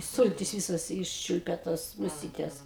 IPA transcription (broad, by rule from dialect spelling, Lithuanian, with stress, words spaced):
ˈsʊlʲtʲɪs ˈʋʲiːsɐs ˈɪʃʲt͡ʃʲʊlʲpʲɛ toːs mʊˈsʲiːtʲɛs